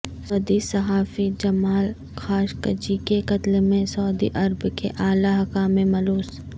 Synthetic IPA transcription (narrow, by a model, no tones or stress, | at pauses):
sɔːd̪isɐɦaːfid͡ʒɐmaːl | kʰaːʃkə̰d͡ʒikekɐt̪lemẽsɔːd̪ḭʔɐɾbkeʔaːlaɦɐkaːmẽmɐloːs